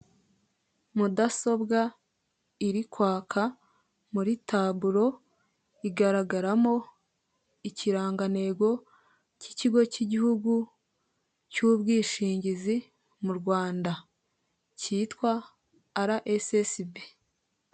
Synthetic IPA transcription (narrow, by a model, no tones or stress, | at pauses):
mudaso̞bɡa | iɾikwaːkʰa | muɾitaːβuɾo̞ | iɡaɾaɡaɾamo | iciɾaːŋɡane̞ːɡo̞ | ci̥ciɡo̞ciɟihuɡu | cuːbɡiːʃiːɲɟizi | muɾɡwaːnda | ciːtkwaː | ɾaʔesesibe